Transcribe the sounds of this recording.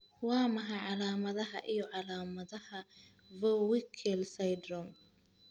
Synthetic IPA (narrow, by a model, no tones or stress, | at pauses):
wɑːmɐɦɐʕɑlaːmɐðɐɦɐʔijɔʕɑlaːmɐðɐhɐ | vɔwɪkʰɛlsɐjd̪rɔm